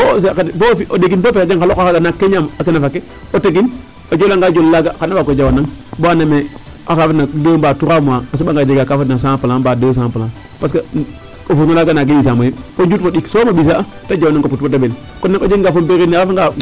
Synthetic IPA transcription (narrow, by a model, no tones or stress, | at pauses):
bos̬kabofiʔodeɡintopedeŋkalokakaɡanakːeɲamakenafakːe | oteɡin | od͡ʒolaŋɡad͡ʒollaɡakanabakod͡ʒawanaŋboaname | akafanadəmbatuɾamuaas̬ɓaŋɡad͡ʒeɡakafatnas̬apalanbadəs̬ampaan | paska | ofutŋalaɡanaɡejisamojifod͡ʒutfoɗiksomabis̬a | tad͡ʒawonaŋkoputbodabel | konːaod͡ʒeŋɡafombeɾinaafaŋɡa